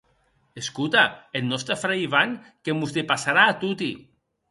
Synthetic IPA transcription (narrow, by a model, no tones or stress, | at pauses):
eskut̪aelnɔst̪afɾejβaŋkemuzd̪epasaɾaːt̪ut̪i